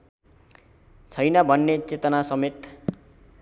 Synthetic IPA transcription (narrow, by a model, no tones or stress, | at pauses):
t͡sʰʌjnʌbʱʌnːet͡set̪ʌnasʌmet̪